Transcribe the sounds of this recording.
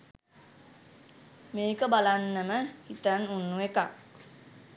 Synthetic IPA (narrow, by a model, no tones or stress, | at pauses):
meːkəbalanːəməhit̪anunːuekak